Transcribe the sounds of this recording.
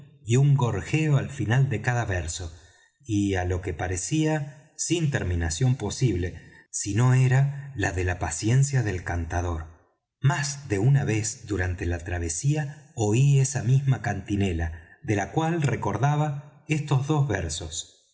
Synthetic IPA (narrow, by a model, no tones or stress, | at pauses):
iuŋɡo̞ɾxeoalfinald̪e̞kaðaβeɾso̞ | ialo̞ke̞paɾesia | sint̪eɾminasjo̞mpo̞siβle̞ | sino̞e̞ɾalaðe̞lapasje̞nsjaðe̞lkant̪að̞o̞ɾ | mazðe̞unaβe̞sðuɾant̪e̞lat̪ɾaβ̞e̞siaoie̞samizmakant̪ine̞laðelakwalreko̞ɾðaβae̞st̪o̞zðozβeɾsos